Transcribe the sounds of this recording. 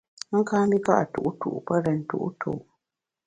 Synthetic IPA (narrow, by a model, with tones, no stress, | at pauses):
ŋ̩˦kaː˦m˦bi˦ka̰˦ʔa˨tṵ˨ʔu˦tṵ˨ʔpə˦ɾɛ˨n̩˨tṵ˦ʔu˦tʰṵ˨ʔ